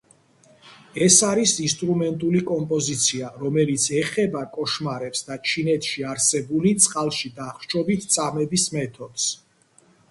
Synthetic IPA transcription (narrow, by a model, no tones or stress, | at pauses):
ɛsaɾisinst̪ʼɾumɛnt̪ʼulikʼɔmpʼɔzit̪sʰiaɾɔmɛlit̪sʰɛχɛbakʼɔʃmaɾɛpsd̪at͡ʃʰinɛt̪ʰʃiaɾsɛbulit̪sʼqʼalˠʃid̪aχt͡ʃʰɔbit̪ʰt̪sʼamɛbismɛt̪ʰɔd̪̥s